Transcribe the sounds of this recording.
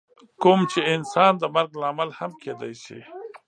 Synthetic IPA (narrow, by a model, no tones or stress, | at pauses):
kʊmt͡ʃeɪnsɑːnd̪əmɐɾɡlaːmalhamkʰeːd̪a̰jʃḭ